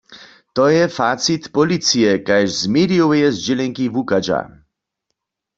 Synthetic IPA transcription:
t̪ɔjɛfasit̪pɔlit̪sijɛkajʒzmeɾiɔwjɛzd͡ʑɛlɛŋkivukad͡ʑa̰

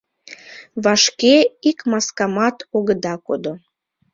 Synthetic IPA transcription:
βɑʃkeikmɑskɑmɑt̪oɣəd̪ɑkod̪o

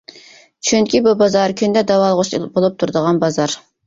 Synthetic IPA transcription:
t͡ʃʰyŋkʲibubɑzɑɾkʲʰynd̪ɛd̪ɑwɑlˠəʁʊʃbolˠup̚t̪ʰuɾd̪əʁɑnbɑzɑɾ

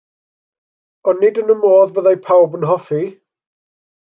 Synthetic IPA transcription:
ɔnːɪdənəmoːðvəðajpʰawbənɦɔfi

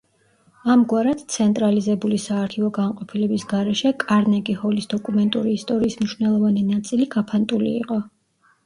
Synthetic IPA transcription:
amɡwaɾad̪̥t̪sʰɛnt̪ʼɾalizɛbulisaːɾt̪ʰiɔɡanqʼɔpʰilɛbisɡaɾɛʃɛkʼaɾnɛɡʼihɔlisd̪ɔkʼumɛnt̪ʼuɾiːst̪ʼɔɾiːsmniʃwnɛlˠɔvaninat̪sʼiliɡ̥apʰant̪ʼulḭːqʼɔ

